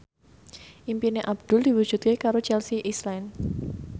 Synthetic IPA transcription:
ʔimpineʔab̚d̪̥ʊ̤ld̥iwu̥ʒ̥ut̪̚kekaɾot͡ʃɛlsiʔislan

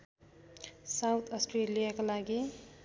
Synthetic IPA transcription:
sawt̪ʰʌsʈrelijakalaɡi

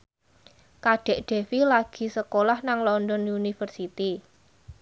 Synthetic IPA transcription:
kaɖ̥ɛ̤ʔɖ̪̥e̤wilaɡ̥i̤səkolahnaŋlɔndɔnunifərsit̪i

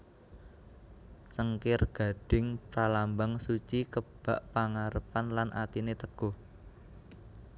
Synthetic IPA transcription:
səŋkɪrɡ̥a̤ɖ̥ɪ̤ŋpɾalambaŋsut͡ʃikəb̥aʔpaŋaɾəpanlanʔa̰t̪inet̪əɡ̥oh

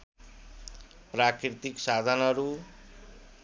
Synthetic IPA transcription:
prakrit̪iksad̪ʱʌnʌɾu

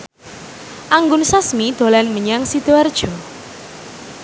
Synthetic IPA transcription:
ʔaŋɡʊnsasmid̪̥o̤lanməɲaŋsid̪̥oard̥ʒ̥ɔ̤

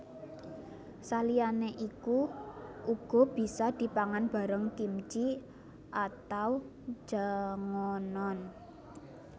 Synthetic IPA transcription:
salijaneʔiku | uɡ̥ɔ̤b̥i̤sɔd̪̥i̤paŋanb̥a̤ɾəŋkimt͡ʃi | ʔat̪aw̥ | d͡ʒ̥aŋɔnɔn

